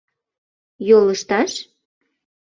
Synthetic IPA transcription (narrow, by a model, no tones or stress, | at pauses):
joləʃt̪ɑʃ